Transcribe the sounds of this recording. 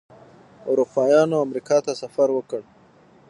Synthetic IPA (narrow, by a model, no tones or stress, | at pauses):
ʊɾupɑjɑnoamɾikɑt̪asafaɾwəkəɽ